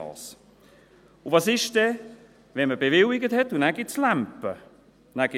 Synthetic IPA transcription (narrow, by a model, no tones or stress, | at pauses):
ɑ̰ːs | uvɑsɪʃd̥ɛ | vɛnməbevɪlɪɡəthɛtunæɡ̥ɪtslampə̰ | næɡ̥ɪ